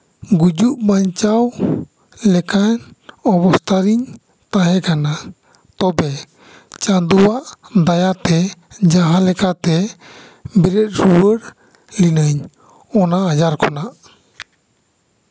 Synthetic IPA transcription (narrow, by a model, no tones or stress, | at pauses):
ɡud͡ʒuʔmaɲt͡ʃaw | lɛkanɔbɔst̪aɾiɲ | t̪aɦɛkana | t̪ɔbɛ | t͡ʃad̪uwaʔd̪ajat̪ɛd͡ʒaɦalɛkat̪ɛ | bɛɾɛt̪̚ˀɾuwəɾ | linəɲ | ɔnaːd͡ʒaɾkɔnaʔ